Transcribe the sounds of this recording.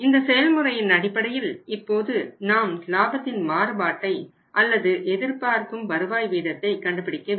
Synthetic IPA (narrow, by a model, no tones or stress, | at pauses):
ɪnd̪ɐsɛjɐlmɯɾɐjɪnɐɽɪpːɐɽɐjɪlɪpːoːðɯnaːmlaːbɐt̪ːɪnmaːɾɯbaːʈːɐɪ | ʔɐlːɐðɯʔɛðɪɾpaːɾkɯmbɐɾɯʋaːjʋiːðɐt̪ːɐɪkɐɳɖɯpːɪɽɪkːɐ